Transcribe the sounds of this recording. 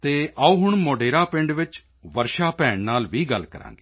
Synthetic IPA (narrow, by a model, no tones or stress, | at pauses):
t̪eːʔauːɦʊɳmoːɖeːɾaːpɪɳɖʋɪt͡ʃ | ʋəɾʃaːpɛːɳnaːlʋiːɡəlkəɾã̰ːŋɡeː